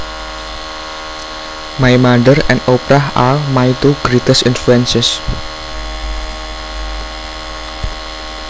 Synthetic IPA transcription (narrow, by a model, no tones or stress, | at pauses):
majmaɖəɾɛ̰̃nopɾaɦamajt̪uɡɾit̪əsɪnfluɛnsɪs